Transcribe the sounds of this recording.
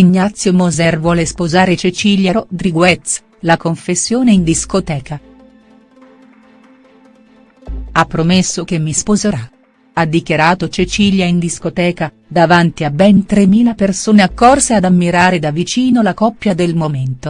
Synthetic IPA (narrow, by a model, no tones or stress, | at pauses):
inːat̪sːjomozɛrvwɔːlespozaːɾet͡ʃet͡ʃiljaɾod̪ɾiɡwɛt̪s | lakoɱfesːjoːneind̪iskot̪ɛːka | apːɾomesːok̟emːispozeɾa | ad̪ːikjaɾaːt̪ot͡ʃet͡ʃiljaind̪iskot̪ɛːka | d̪avant̪iabɛnt̪ɾemːiːlapersoːneakːɔrsead̪amːiɾaːɾed̪avit͡ʃiːnolakɔpːjad̪elmoment̪o